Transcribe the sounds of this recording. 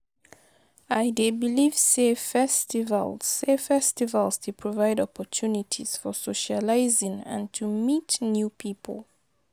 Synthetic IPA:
aɪdebiliv̥sefɛstiva̰lz̥ːefɛstivalstʰupʰɹɔvaɪdɔpɔtʰunitʰḭz̥fɔsoʃalaɪzɪ̃ŋã̰ntʰumitnjupʰipʰə̰lˠ

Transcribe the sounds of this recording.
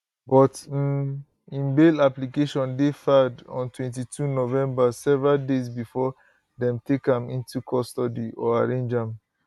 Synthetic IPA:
bɔt̩ | ĩnbelaplikeʃɔ̃ndefadɔ̰̃ntʰwɛ̃nt̬itʰunovɛ̃mbasɛvɹaldezbifɔ | dɛ̃mtʰekãmĩntukʰɔstɔdiʔɔaɹẽnd͡ʒãm

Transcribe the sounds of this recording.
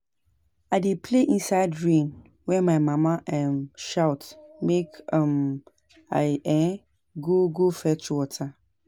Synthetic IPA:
aɪdepʰleʔĩnsaɪdɹĩn | wɛ̃maɪmamaʔɛmʃaʊtmekãm | aɪɛ̃ | ɡoɡofɛtuwɔtʰa

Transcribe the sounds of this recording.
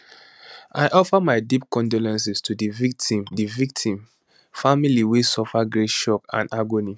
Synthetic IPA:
aɪʔɔfamaɪdip̚kɔ̃ndolɛ̃ns̬istʰudivik̚tĩmdivik̚tʰĩm | familiwesɔfaɡɹeʃɔkã̰ndaɡoni

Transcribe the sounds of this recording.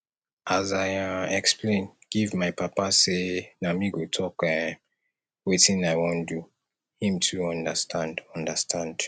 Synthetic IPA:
ʔazaɪɛkspʰlẽɪ̃nɡ̥ivmaɪpapasenamiɡotʰɔk | wetĩnaɪwõndu | hĩmtʰuʌ̃ndəstʰãndʌ̃ndəstʰãnd̥

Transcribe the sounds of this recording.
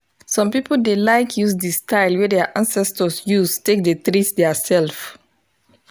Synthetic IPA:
sɔ̃mpipoldelaɪkʰjusdistaɪlwɛdɛaʔãnsɛstɔsjustek̚detɹisdɛsɛlf

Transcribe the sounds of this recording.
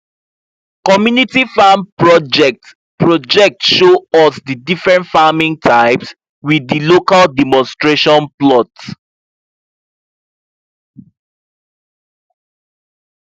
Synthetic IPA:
kɔmjunitifampɹɔd͡ʒɛk̚t | pɹɔd͡ʒɛk̚tʃoɔsdidifɹɛ̃ntfamĩŋtʰaɪps | wiðilokaldɛmɔ̃nstɹeʃɔ̃nplɔt

